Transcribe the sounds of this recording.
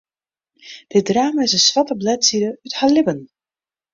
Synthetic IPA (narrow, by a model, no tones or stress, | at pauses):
d̥ɪt̚draːmaɪsənsʋatəblɛtsidəythalɪbən